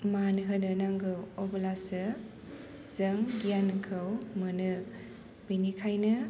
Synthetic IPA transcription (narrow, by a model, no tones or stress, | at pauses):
manɦɯnɯnaŋɡɯɔbɯlasɯ | zɐŋɡijankʰɯwmɯnɯ | binikʰajnɯ